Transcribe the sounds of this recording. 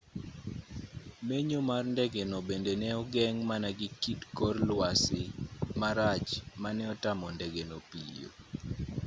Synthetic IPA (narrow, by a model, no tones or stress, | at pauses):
meɲomarndɛɡenobendenɛɔɡɛŋmanaɡɪkitkɔrlwasɪmaɾat͡ʃmanɛɔtamɔndɛɡenopḭjo̰